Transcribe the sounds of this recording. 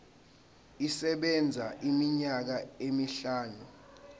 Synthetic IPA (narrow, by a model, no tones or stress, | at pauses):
isɛɓɛnd͡zʱaʔimiɲak̬aemiɬaːnu